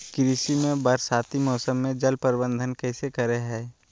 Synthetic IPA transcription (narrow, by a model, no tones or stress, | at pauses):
kɾisimẽbəɾsaːt̪imɔːsəmːẽd͡ʒəlpəɾɪbə̃nd̪ʱənkɛːsekəɾeɦɛ̃ː